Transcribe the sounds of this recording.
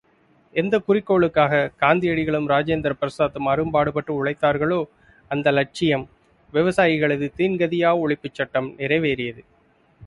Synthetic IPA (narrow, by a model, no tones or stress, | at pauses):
ɛnd̪ɐkʊrɪkːoːɭɯkːaːɣɐɡ̥aːnd̪ɪjɐɽɪɣɐɭɯmɾaːd͡ʒeːnd̪ɾɐpɾɐsaːðɯmɐɾɯmpaːɽɯpɐʈːrɯʊɭɐɪt̪ːaːɾɣɐɭoː | ɐnd̪ɐlɐʈ̚t͡ʃɪjɐm | ʋɪʋɐsaːjɪɣɐɭɐðɯt̪iːnɡɐðɪjaːɐʊɭɪpːɯt͡ʃːɐʈːɐmnɪɾɐɪʋeːɾɪjɐðɯ